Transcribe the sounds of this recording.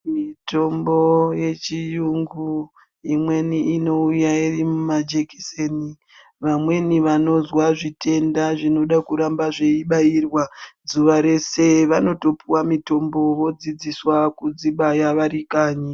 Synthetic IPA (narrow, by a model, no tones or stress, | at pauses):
mito̞mbo̞je̞t͡ʃijuŋɡu | imwe̞niino̞ujairimumad͡ʒeki̥seni | ʋamwe̞niʋano̞zwaʐitʰe̞ndaʐino̞ɗakuɾambaʐeiɓairwazuʋaɾe̞se̞ʋano̞to̞piwamito̞mbo̞ʋo̞d͡zid͡ziswakud͡ziɓajaʋaɾikaːɲi